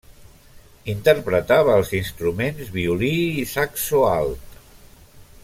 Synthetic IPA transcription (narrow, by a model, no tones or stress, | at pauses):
int̪əɾpɾət̪aβəːlˠzinst̪ɾumenzβiuliːsaksoalˠt̪